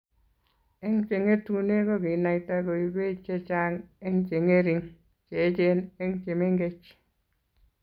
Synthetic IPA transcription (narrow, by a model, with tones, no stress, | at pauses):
e˦ŋt͡ʃe˨ŋe˦tu˨ne˦ko˦ki˨na˨ta˦ko˨i˨be˦t͡ʃe˦t͡ʃa˦ŋe˦ŋt͡ʃe˨ŋe˦ɾi˨ŋ | t͡ʃe˨˦t͡ʃe˦ne˦ŋt͡ʃe˨me˦ŋɡe˦t͡ʃ